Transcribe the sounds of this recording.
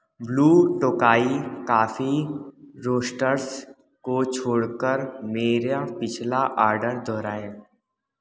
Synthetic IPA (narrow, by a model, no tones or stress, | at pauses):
bluːʈoːkaːikaːfi | ɾoːsʈəɾs | kot͡ʃʰoːɽkəɾmeːɾapɪt͡ʃʰlaʔaːɾɖəɾd̪ɔːɾaːẽː